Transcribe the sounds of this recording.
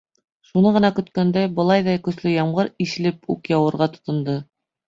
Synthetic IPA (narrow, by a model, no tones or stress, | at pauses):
ʃunɤʁɤ̆nɑkɵ̆t̪kænd̪æbɤ̆lˠɑjðɑjkɵ̆slɵjɑɴʁɤɾiʃɘ̆lɘpṵkjɑwɤ̆ɾʁɑt̪ŏ̥t̪ŏnd̪ɤ